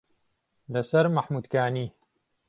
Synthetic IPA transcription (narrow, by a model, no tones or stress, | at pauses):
lɐsɐɾmaħmud̪kaːniː